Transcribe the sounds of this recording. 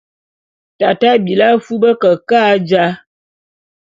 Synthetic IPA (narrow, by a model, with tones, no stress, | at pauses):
ta˨ta˦bi˨la˦fu˦bə˦kə˨kaː˦d͡ʒa˦